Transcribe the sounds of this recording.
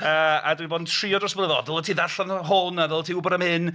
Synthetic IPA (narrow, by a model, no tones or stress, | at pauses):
əːa̰dwiboːdntʰriːɔdrɔsbləðɔðəlˠətʰiːðaɬanɦʊnavɛlˠtʰiːʊbɔɾəmhɪn